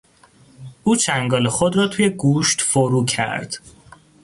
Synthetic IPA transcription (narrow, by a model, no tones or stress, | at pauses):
ʔuːt͡ʃʰæŋɡɒːlexod̪ɾɒːt̪ʰuːje̞ɡuːʃt̪foɾuːcʰæ̰ɾd̪̥